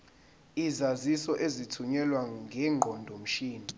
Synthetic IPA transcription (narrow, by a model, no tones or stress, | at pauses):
izazisɔʔezitʰuɲɛlwaŋɡʱɛːŋ͡ǃʱɔndʱom̩ʃiːni